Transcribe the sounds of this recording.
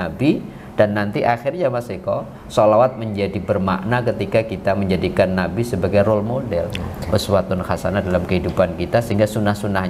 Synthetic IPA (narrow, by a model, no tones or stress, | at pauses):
abi | d̥anːant̪iʔaxɪrɲamasikɔ | solawat̪̚məɲd͡ʒadibərma̰ʔnakət̪ikakit̪aməɲd͡ʒadikanːabisəbaɡajrɔlmodɛlʔṵswat̪ʊnxasanadalamkəɦidupankit̪asəɦiŋɡasunahsunahɲ